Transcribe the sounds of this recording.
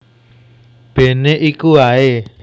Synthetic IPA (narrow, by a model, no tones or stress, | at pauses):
b̥e̤neʔikuae